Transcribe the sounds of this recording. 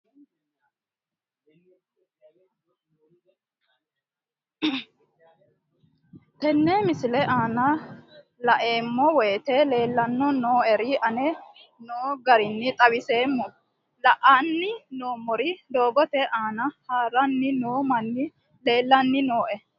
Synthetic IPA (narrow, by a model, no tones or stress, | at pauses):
t̪ɛnːeːmɪsɪlɛʔaːnɐ | lɐʔe̞ːmːɔwɛjt̪ɛle̞ːlːɐnːɔnoːʔɛɾɪʔɐnɛ | noːɡɐɾɪnːɪt̪ʼɐwɪse̞ːmːɔ | lɐʔaːnːɪnoːmːɔɾɪd̪o̞ːɡɔt̪ɛʔaːnɐhaːɾɐnːɪnoːmɐnːɪ | le̞ːlːɐnːɪnoːʔɛ